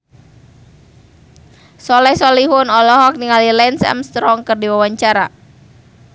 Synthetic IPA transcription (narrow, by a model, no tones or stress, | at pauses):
sɔlɛhsɔliɦʊnɔlɔɦɔk̚niŋalilɛnsɛ̰mst̪ɾɔŋkərdiwawaɲt͡ʃaɾa